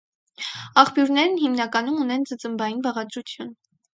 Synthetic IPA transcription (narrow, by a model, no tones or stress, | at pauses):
ɑχpjuɾnɛɾnɦimnɑkɑnumunɛnd͡zət͡səmbɑjinbɑʁɑd̪ɾut͡sʰjun